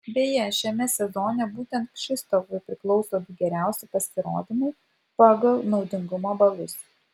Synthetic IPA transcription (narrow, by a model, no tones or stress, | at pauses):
bʲeːjɛʃʲɛmʲɛsʲɛzoːnʲɛbuːt̪ʲɛnt̪̚pʃʲɪst̪okʊɪpʲɾʲɪklˠɒʊsoːd̪ʊɡʲɛɾʲæˑʊsʲɪpɐsʲɪɾo̰ːd̪ʲɪmʊɪ | pɑːɡɐlˠnɒʊd̪ʲɪŋɡʊmoːbɐlˠʊs